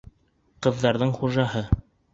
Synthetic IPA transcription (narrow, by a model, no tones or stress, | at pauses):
qɤ̆ðːɑɾðɤɴχuʒɑhɤ